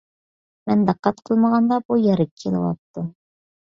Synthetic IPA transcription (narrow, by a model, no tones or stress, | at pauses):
mænd̪æqːɑt̪qʰɤlˠmɑʁɑnd̪ɑbujæɾɘkʲʰːilɤ̰wɑ̰t̪ːɤ